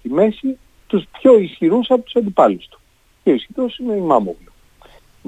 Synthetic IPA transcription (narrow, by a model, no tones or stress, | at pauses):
t̪ime̞si | t̪uspço̞isçiɾusɐpot̪u̥sɐnd̪ipɐlust̪u̥ | ceoisçiɾosineimɐmo̰vlo